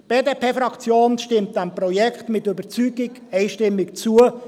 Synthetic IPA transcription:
b̥eːdeːpʰeːfɾɑkt͡sjoːnʃtɪmt̚d̥æmprɔjɛkχtmɪtøbət͡syːɡɪɡ | ɛɪʃtɪmːɪkt͡suə

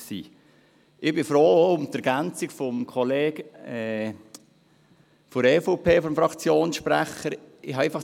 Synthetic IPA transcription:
sḭː | ʔɪb̥ɪfɾoːʊmt̪əɾɡ̥ænt͡sikfɔmkʰɔleːɡɛ | foɾɛːfopʰeːfɔmfɾɑkt͡sjoːnsʃpɾæ̰χəɾɪhɑɛɪfɑχ

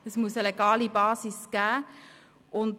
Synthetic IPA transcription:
əsmuəsəleɡ̥ɑːlibɑːsisɡ̥æː | ʊnd

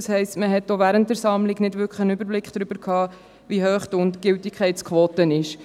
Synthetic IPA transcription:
shɛɪstməɦɛtːoʋæːɾəntdɛɾsɑmlɪɡnɪdʋʏɾkχχənʏbəɾblɪkχd̥ɾʏbəɾkʰɑː | ʋiɦøːχd̥ʊntɡ̥ɪltɪkʰɛɪtt͡skʰʋoːtənɪʃ

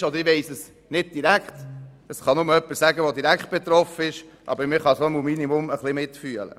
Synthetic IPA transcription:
ɔd̪əɾɪʋɛɪsəs | nɪd̚d̥iɾækχt̪ | əsχɑnʊməœpːəɾsæɡəʋod̪iɾækχt̪̚b̥et̪ɾɔfəɪʃʔɑ̰bəɾmɪχɑsomumːinimʊməχlɪmɪtfyələ̰

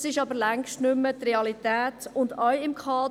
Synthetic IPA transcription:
sɪʃɑbəɾlæŋʃtnʏmːət̪reɑlit̪ɛːtʊndœjɪmkʰɑː

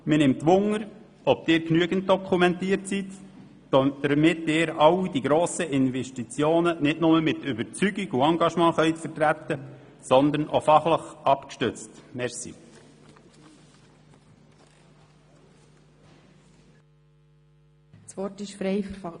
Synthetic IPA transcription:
mɪnɪmt̪ːʋʊŋəɾ | ɔb̥̚d̪̥ɪːɾknyəɡ̥ənt̚d̥̪ɔkʰumɛnt̪iːəɾtsit̪ | d̪̥əmɪtːɪːɾɑwid̪iɡɾoːsəʔɪnʋɛʃtit͡sjoːnənɪtnʊməmɪt̪ʏbəɾt͡syɡiɡuɑŋɡɑʃmɑ̃ːχœʏt̪fəɾtɾæt̪ːəsɔnd̪ənʔo̰fɑχləχɑpkʃtʏt͡stmɛɾsḭ | sʋɔtɪʃfɾɛjfəɾfɑ

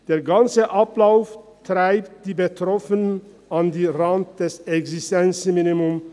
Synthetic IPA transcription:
d̥eːɐɡant͡səʔaplaʊftʁ̥aɪptd̥iːbətʁ̥ɔfənən | andiːʁant̚d̥ɛsɛɡsɪstɛnt͡sminimʊm

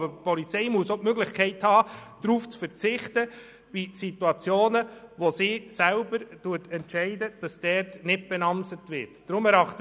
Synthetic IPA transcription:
bəpɔlit͡sɛɪmuəsotmøɡlɪχkʰɛɪthɑːd̥ɾuːft͡sfəɾt͡sɪχtə | b̥isituɑt͡sjoːnəʋosiːsælbəɾtuətʰɛntʃɛɪdəd̥ɑsd̥ɛɾtnɪt̚b̥ɛnɑmsətʋɪːɾtːɾʊmɛɾɑχtə

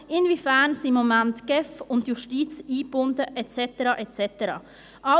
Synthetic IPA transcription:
ɪnvifænsimomæntɡ̥ɛfʊndjuʃtiːt͡siːbʊndəʔɛtt͡sɛtəɾɑːʔɛtt͡sɛtəɾɑ̰ː | ʔɑ

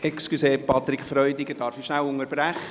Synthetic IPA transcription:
ɛkskyseːpɑt̪ɾɪkfɾœʏdɪɡəd̥ɑːɾfiʃnæwʊŋəɾbɾæχə

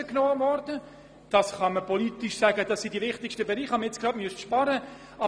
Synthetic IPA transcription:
əknoːɑmɔɾdə | d̥ɑsχɑməpʰɔliːtiʃsæɡəd̥ɑssidiʋɪχtɪkʃtəbeɾiːχhɑməjet͡skrɑːdmyəstʃpɑɾə | ɑ

